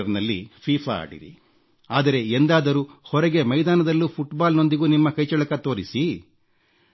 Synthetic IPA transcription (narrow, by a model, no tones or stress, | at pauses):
ɐɾnɐlːḭpʰiːfʰaa̰ːɽḭɾḭ | aːd̪ɐɾe̞end̪aːd̪ɐɾuhɔɾɐɡe̞mɐjd̪aːnɐd̪ɐlːupʰuʈbaːlno̞nd̪iɡuːnimːɐkɐjt͡ʃɐɭɐkɐt̪o̞ːɾisi